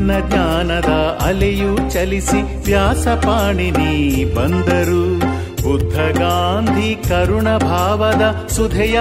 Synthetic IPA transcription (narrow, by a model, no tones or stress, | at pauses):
nːɐɡɲaːnɐd̪ɐɐlejut͡ʃɐlisi | ʋjaːsɐpaːɳinibɐnd̪ɐɾu | bud̪ʱːɐɡaːnd̪ʱikɐɾuɳɐbʱaːʋɐd̪ɐ | sud̪ʱɛjɐ